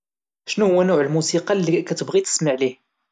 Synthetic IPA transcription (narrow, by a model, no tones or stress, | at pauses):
ʃnuhʊwːænʊʕəlmusiqɑlːikæt̪əbʁit̪ə̥sməʕlih